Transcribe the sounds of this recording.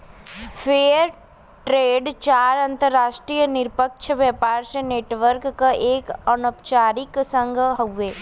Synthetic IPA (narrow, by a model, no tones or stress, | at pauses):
pʰeːəɾ | ʈɾeːɖt͡ʃaːɾɐ̃nt̪əɾːaːʃʈɾijənɪɾpəkʃʰəʋjɛpaːɾseneːʈʋəɾkːəʔeːkənopt͡ʃaːɾɪksə̃ŋɡʱɦoʋeː